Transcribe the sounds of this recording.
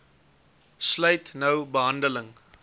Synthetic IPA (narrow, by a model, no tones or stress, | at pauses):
sləjtnəwbəɦɐndələŋ